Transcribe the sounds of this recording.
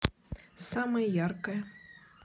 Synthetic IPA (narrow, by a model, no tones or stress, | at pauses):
samɐjɐjarkɐjɐ